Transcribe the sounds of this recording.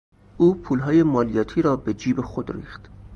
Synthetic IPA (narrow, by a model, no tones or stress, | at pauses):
ʔuːpʰuːlɦɒːje̞mɒːlijɒːt̪ʰiːɾɒːbed͡ʒiːbexod̪ɾḭːχt̪